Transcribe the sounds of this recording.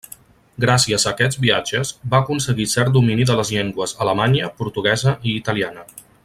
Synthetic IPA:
ɡɾasiəzəːkɛzbia̰d͡ʒəzbaəkunsəɣisɛrt̪̚d̪uminiðələzʎeŋɡwəzələmaɲəpuɾt̪uɣ̞ɛzəʔiːt̪əlianə

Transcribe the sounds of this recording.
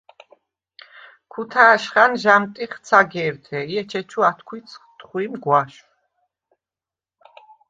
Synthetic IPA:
kʰut̪ʰaːʃχanʒamt̪ʼiχt̪sʰaɡɛːɾt̪ʰɛiɛt͡ʃʰɛt͡ʃʰuat̪ʰkʰwit̪sʰχt̪ʼχwimɡwaʃw

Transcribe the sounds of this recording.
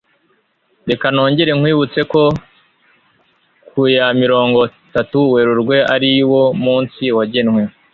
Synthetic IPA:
ɾe̞kano̞ːɲɟe̞ɾeŋ̥hwiːβut͡se̞ko̞ | kʰujamiɾo̞ːŋɡo̞ | tatuwe̞ɾuɾɡwe̞aɾiwo̞muːnsiwaɟenŋwe

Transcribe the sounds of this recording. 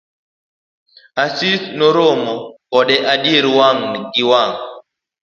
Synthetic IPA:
asisnoɾomɔkɔɗɛʔadjeɾwaŋɡiwaŋ

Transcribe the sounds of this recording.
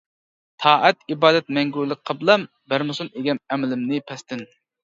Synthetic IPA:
t̪ʰɑːʔæt̪ibɑːd̪ɛt̪̚mɛŋɡʲuɾlˠɨk̚ʲqʰɑblˠɑm | bæɾmɨsuneɡʲɛnɛmɪlɪmnɪpʰɛst̪ɪn

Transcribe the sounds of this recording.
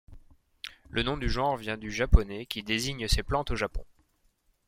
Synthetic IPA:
lʔənɔ̃d̪yʒɑ̃ʁvjɛ̃d̪yʒapɔnɛkʲid̪eziɲseplɑ̃t̪oʒapɔ̰̃

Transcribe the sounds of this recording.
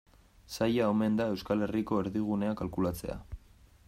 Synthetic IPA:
sajaome̞nd̪ae̞wskale̞riko̞e̞ɾðiɣ̞une̞akalkulat͡se̞̰a̰

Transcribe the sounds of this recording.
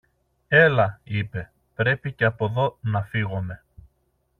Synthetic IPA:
e̞lɐipe̞ | pɾe̞piceɐpo̞ðo̞nɐfiɣome̞

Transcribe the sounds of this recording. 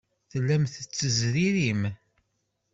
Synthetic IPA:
θəlːæmθət͡sːəzɾiɾim

